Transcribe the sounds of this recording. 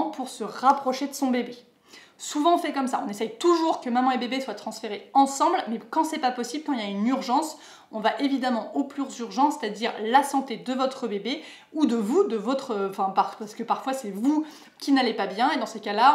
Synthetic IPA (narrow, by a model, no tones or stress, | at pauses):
puʁsəʁapχɔʃed̪əsɔ̃bebe | suvɑ̃fɛkɔmsaɔ̃nesɛjt̪uʒuʁkəmamɑ̃ebebeswat̪χɑ̃sfeʁeɑ̃sɑ̃blmɛkɑ̃sɛpapɔsiblkɑ̃iljaynyʁʒɑ̃s | ɔ̃vaʔevid̪amɑ̃ʔoplyʁzyʁʒɑ̃se̥t̪ad̪iʁlasɑ̃t̪ed̪əvɔt̪χəbebe | ud̪əvud̪əvɔt̪χəɑ̃fɛ̃paʁpasə̥kəpaʁfwasɛvu | kʲinalepabjɛ̃ed̪ɑ̃sekala